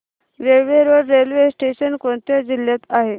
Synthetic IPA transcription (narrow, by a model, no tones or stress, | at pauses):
ɾelʋeɾʋəɾːelʋesʈeɕənkõnt̪jad͡ʑiljat̪aɦe